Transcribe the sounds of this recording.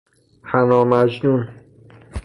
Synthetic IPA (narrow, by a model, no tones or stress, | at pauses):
hænɒːmæd͡ʒnun